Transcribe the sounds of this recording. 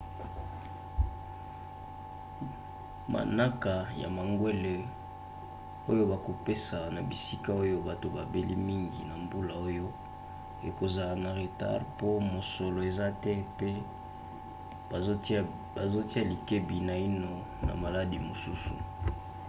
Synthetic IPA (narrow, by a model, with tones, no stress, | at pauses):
ma̰˨na˦ka˨ja̰˨ma˨ŋɡwe˦le˨ | o˦jo˦ba˨ko˨pe˦sa˨na˨bi˨si˦ka˦o˦jo˦ba˨to˨ba˨be˦li˦mi˦ŋɡḭ˨na˨mbu˦la˨o˦jo˦ | e˨ko˨za˨lna˨ʁe˨ta̰˦ʁpo˦mo˨so˨lo˨e˨za˦tɛ˦pe˦ | ba˨zo˦ti˦a˦˨li˨ke˦bi˨na˨i˦no˨ | na̰˨ma˨la˦di˨mo˨su˦sṵ˨